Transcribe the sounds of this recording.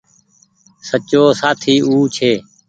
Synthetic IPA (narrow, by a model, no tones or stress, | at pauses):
sət͡ʃoːsaːt̪ʰiːuːt͡ʃʰeː